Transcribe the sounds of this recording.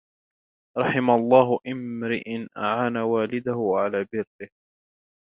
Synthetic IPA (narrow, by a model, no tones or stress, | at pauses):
ɾˤɑħɪmalˤːɑːɦʔɪmɾɪʔɪnʔaʕaːnawaːlɪd̪ahʊʕalaːbɪɾːɪh